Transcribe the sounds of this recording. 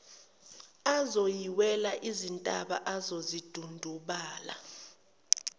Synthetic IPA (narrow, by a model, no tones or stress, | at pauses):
azojiwɛlaʔizintʼaɓa̰ʔazozid̥ʱundʱuɓaːla̰